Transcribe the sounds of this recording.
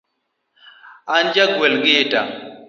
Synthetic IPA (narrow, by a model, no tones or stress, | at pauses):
and͡ʒaɡwɛlɡɪtʼa̰